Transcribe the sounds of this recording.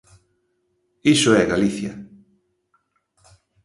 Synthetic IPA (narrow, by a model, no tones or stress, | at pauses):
isoɛɣaliθjɐ̰